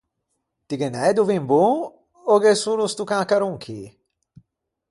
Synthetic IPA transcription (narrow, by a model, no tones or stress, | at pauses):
t̪iɡenɛd̪uvimbu | oɡesulust̪ukakaɾuŋkʰḭ